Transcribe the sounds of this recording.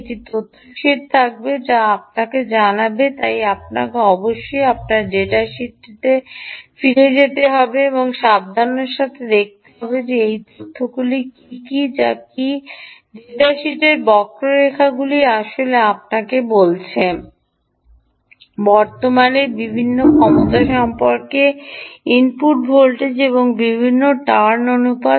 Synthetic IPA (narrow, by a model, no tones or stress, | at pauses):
eʈit̪ot̪ʰːoʃiʈ̚t̪ʰak̚bed͡ʑaap̚naked͡ʑanabet̪ajap̚na̰keɔboʃːojap̚naɾɖeʈaʃiʈːit̪efiɾed͡ʑet̪eɦɔbeeboŋʃab̚d̪ʱaɾneɾʃat̪ʰed̪ek̚t̪e̥ɦɔbed͡ʑeejt̪ot̪ʰːoɡulikikid͡ʑakiɖeʈaʃiʈeɾbɔkɾoɾekʰaɡuliaʃoleap̚nakebolt͡ɕʰe | bɔɾt̪omaneɾbibʱinːokʰɔmot̪aʃɔmpoɾkeinpuʈbʱolʈed͡ʑeβoŋbibʱinːoʈaɾnonupa